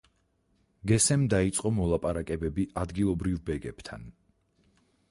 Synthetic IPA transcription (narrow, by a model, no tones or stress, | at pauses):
ɡɛsɛmd̪ait̪sʼqʼɔmɔlˠapʼaɾakʼɛbɛbiʔad̪ɡilˠɔbɾivbɛɡɛbt̪ʰa̰n